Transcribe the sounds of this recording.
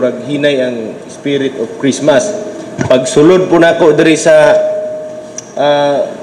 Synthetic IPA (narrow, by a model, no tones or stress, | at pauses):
ɾaɡɦiːnajaŋ | spiɾɪt̪ofkɾismas | paɡsʊlʊd̪̚pʊnaːkoʔd̪ɪɾɪsa | a